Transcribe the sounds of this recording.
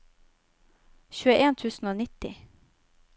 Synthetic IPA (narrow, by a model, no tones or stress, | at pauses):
çʉːəʔeːnt̪ʰʉːsn̩oːnɪt̪ɪ